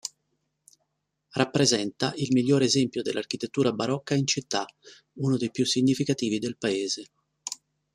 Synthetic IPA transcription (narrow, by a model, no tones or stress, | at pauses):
rapːɾezɛnt̪aʔilmiʎːoːɾezɛmpjod̪ḛlʔark̟it̪et̪ːuːɾabaɾɔkːaint͡ʃit̪ːa | unod̪ejpjusːiɲːifikat̪iːvid̪elpaeːze